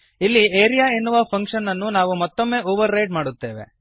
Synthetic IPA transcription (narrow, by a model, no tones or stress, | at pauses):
ilːieːɾijaenːuʋɐpʰɐŋkʂɐnːɐnːunaːʋumɐt̪ːomːe̞ːoːʋɐɾːejʈ̚maːɽut̪ːe̞ːʋḛ